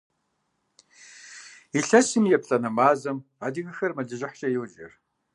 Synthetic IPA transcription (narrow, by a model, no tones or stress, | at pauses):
iɬɐsɨmjɛpɬʼɐnɐmaːzɐmadiɣɨxɐrmɐɮɨʒɪħɕʼɐjɛwd͡ʒʼɪ̰r